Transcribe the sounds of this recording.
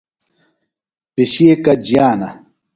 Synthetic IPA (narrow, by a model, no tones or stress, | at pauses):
piɕiːkɐd͡ʑijaːnɐ